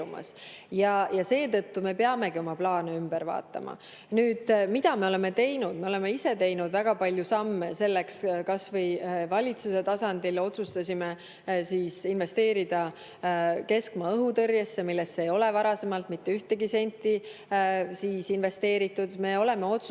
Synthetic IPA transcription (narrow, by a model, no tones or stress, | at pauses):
umɑ̰s | jɑjɑse̞ːt̪ɤ̞t̪ːume̞peɑme̞ɡ̥io̞mɑplɑːneymb̥eɾvɑ̰ːt̪ːˑɑ̰mɑ̰ | nyːd̪̥mid̪ɑme̞o̞le̞me̞t̪e̞jnud̪̥me̞o̞le̞me̞ise̞t̪e̞jnud̪̥væɡ̥ɑpɑlʲjusɑmːese̞lːe̞kskɑsvɤ̞jvɑlʲit̪suse̞t̪ɑsɑnd̪̥ilo̞t̪sust̪ɑsʲime | siːsinve̞st̪e̞ːɾid̪̥ɑ | ke̞skmɑːɤɦut̪ɤrjesːe̞milːe̞st̪ːe̞ejo̞le̞vɑɾɑse̞mɑlt̪mit̪ːe̞yht̪e̞ɡise̞nʲt̪ːi | siːsinve̞st̪e̞ːɾit̪ːˑud̪̥me̞o̞le̞me̞o̞t̪s